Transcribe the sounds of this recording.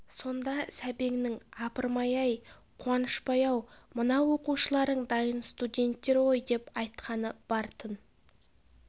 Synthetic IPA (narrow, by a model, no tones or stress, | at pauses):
so̞nd̪ɑsæbe̞ŋnɪŋɑpəɾmɑjɑj | qʰwɑnəʃpɑjɑwmənɑwo̞quʃəlˠɑɾd̪əɴd̪ɑjənst̪udʲe̞nt̪ːe̞ɾwo̞jd̪e̞pɑjt̪qʰɑnəb̥ɑɾt̪ʰən